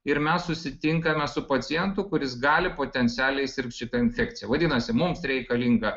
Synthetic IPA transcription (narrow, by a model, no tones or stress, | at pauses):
ɪɾmʲɛssʊsʲɪt̪ʲɪŋkɐmʲɛsʊpɐt̪sʲɪjɛnt̪ʊkʊɾʲɪsɡɑːlʲɪpoːt̪ʲɛnʲt̪ʲæːlʲɛɪsʲɪɾk̚t̪ʲʃʲɪt̪ɐɪnʲfʲɛkt̪ʲɪjɛʋɐd̪ʲɪːnɐsʲɪmʊmsɾʲɛɪkɐlʲiŋɡɐ